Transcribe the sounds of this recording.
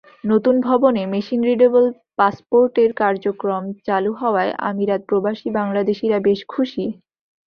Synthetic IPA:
not̪unbʱɔbonemeʃinɾiɖebol | paspoɾʈeɾkaɾd͡ʑokɾomt͡ɕaluɦɔoaeʔa̰miɾat̪̚pɾobaʃibaŋlad̪eʃiɾabeʃkʰuʃi

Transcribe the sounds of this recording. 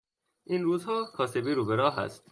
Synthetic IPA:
ʔinɾuːzhɒːkʰɒːsebiɾuːbeɾɒːɦæ̰st̪̚

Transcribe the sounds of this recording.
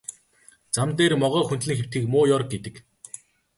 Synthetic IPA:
t͡samt̪eːrmɔʁœːxunt̪ɮɘ̆ŋxew̥t̪̚ɡiːkmʊːjɔrk̚ɡet̪ɘ̆k

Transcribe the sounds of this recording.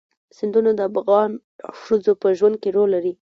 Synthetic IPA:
sɪnd̪unod̪əafɣɑn | ʃəzopəʒwand̪̚keɾolːaɾi

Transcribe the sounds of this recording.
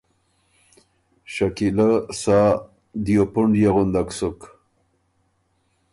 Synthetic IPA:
ʃakilasa | d̪ijopuɳɖjaɣʊnd̪aksuk

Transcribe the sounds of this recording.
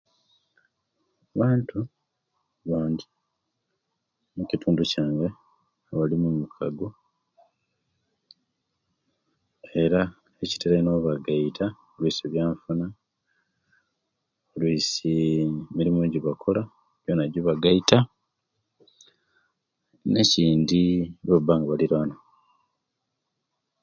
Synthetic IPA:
aβaːntʰu | βaːɲɟi | mucitʰuːnducaːŋɡe | aβalimumukʰaɡo | e̞ɾa | eci̥teɾano̞ːβaɡaitʰa | olwiːseβjaːɱfuna | olwisimiɾimuːɲɟiβakʰo̞la | βjoːnaɟoβaɡaita | ne̞ciːndiβobaːŋɡaβaliɾano

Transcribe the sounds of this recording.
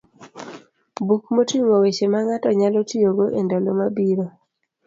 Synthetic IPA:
bukmotiŋowet͡ʃemaŋatɔɲalɔtijoɡoʔendɔlomabiɾo

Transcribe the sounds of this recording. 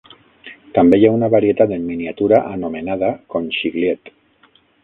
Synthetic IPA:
t̪ambejaunaβaɾiet̪at̪emːiniat̪uɾaʔanomenað̞akonʃiɣliet̪

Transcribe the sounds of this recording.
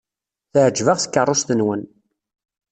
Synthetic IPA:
θəʕəd͡ʒːvəʁθə̥kːərˤːost̪ənwən

